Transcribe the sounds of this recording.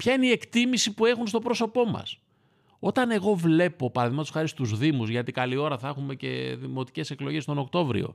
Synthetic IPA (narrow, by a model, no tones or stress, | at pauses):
pçɐineie̞kt̪imisipue̞xunst̪o̞pɾo̞so̞po̞mɐ̰s | o̞t̪ɐne̞ɣo̞vle̞po̞pɐɾɐðiɣmɐt̪usxɐɾist̪uzðimuzʝɐt̪ikɐlio̞ɾɐθɐexume̞ce̞̰ðimo̞t̪i̥ce̞se̞klo̞ʝest̪o̞no̞kt̪o̞vɾḭo̞̰